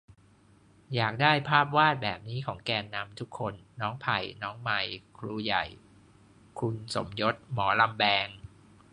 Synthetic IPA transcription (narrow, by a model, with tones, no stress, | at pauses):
jaː˨˩k̚daː˥˩jpʰaː˥˩p̚waː˥˩t̪̚bɛː˨˩p̚niː˦˥kʰɔː˩˦ŋkɛː˧nːa˧mt̪ʰu˦˥kʰːo˧nːɔː˦˥ŋpʰa˨˩jnɔː˦˥ŋma˨˩jkʰluː˧ja˨˩j | kʰu˧nso̰˨˩˦mjo˦˥t̪̚mɔː˩˦la˧mbɛː˧ŋ